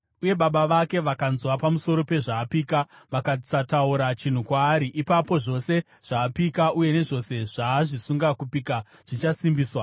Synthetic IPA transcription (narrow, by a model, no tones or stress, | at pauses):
uje̞ɓaɓaʋake̞ʋakanzwapamuso̞ɾo̞pe̞ʐaːpiːkaʋakat͡satauɾat͡ʃin̤ukwaːɾiʔipapo̞ʐo̞se̞ | ʐ̥aːpikauje̞ne̞ʐo̞se̞ʐ̥aːʐisuŋɡakupiːkaʐ̥it͡ʃasimbiːswa